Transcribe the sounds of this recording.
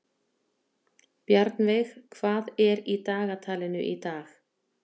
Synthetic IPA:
pjaɾt̪nvɪxkʰvaːðɛɾit̪aːɣat̪ʰaːlɪnʏ̰ʔit̪aːx

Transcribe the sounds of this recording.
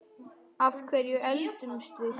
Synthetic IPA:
afkʰvɛɾjʏʔɛlt̪ʏnst̪vɪs

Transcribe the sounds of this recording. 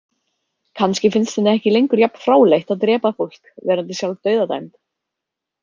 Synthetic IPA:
kʰanscɪfɪnst̪ɛnɪɛhcɪlejŋkʏɾjapn̥fɾaːwlejht̪aðt̪ɾɛːpafowl̥kvɛːɾant̪isjawlt̪œːɥðat̪a̰jmt̪

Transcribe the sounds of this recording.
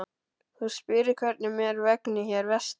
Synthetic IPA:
huspɪːɾɪ̥kʰvɛt̪̚nɪmɛːɾvɛknɪçɛɾvɛst̪

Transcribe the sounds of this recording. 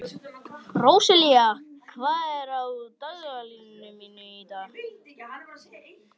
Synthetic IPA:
rowsɪliakʰvaːðɛɾawt̪œɣalinːʏminːʏit̪a

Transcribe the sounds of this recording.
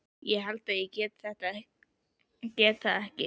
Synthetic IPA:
jɛɦalt̪ajɛcɛːt̪θɛht̪a | cɛːt̪θaðɛhcɪ

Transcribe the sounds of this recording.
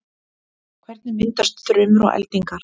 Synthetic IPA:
kʰvɛɾt̪̚nɪmɪnt̪ast̪θɾʏːmʏɾɔ̰ɣʔɛ̰lt̪iŋkaɾ̥

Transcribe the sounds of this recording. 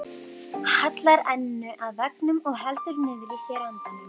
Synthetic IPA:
hat̪laɾɛnːʏʔaðvɛknʏmɔɣɦɛlt̪ʏɾnɪðɾisjɛɾɛnt̪anʏm

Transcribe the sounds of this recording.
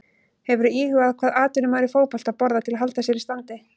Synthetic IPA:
hɛvʏɾʏiːhʏaðkʰv̥aːðaːt̪ʏnʏmvaːɾifoːwpɔl̥t̪aðpɔɾðat̪ʰɪlaɦalt̪asjɛɾist̪ant̪ɪ

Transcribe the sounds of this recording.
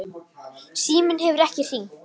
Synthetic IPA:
siːmɪnhɛvʏɾɛhcɪr̥iː

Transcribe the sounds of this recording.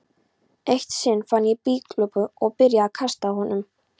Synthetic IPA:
ejht̪sɪnfanjɛpiːklœpʏɔɣpɪɾjaakʰast̪ahɔnʏm

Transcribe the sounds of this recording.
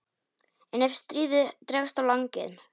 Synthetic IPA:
ɛnɛfst̪ɾiːðɪt̪ɾɛːɣast̪awlaŋcɪ̰n

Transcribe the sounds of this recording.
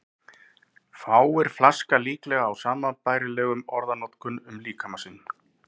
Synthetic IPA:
faːwɛɾ̥flaskaliːklɛɣaːwsaːmapaːjɾɪlɛːɣʏmɔɾðanɔt̪kʏnʏmliːkʰamasɪnː

